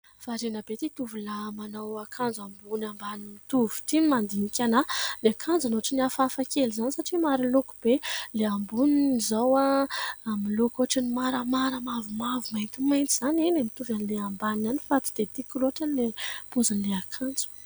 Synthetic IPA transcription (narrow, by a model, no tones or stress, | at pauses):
faɾenabet̪it̪uvulamanawakʰand͡zambunambanimit̪uvu̥t̪imand̪inikʲanaleakʰand͡zanoaʈ͡ʂiniafafakelizanisaʈ͡ʂimaɾilokub̥eleambuninizawaamilokoʈ͡ʂənimaɾəmaɾəmavumavumajnt̪imajnt̪iz̥aninemit̪uvanileambananifat̪i̥d̪̥et̪ikiloʈ͡ʂanlepozanleakʰand͡zu̥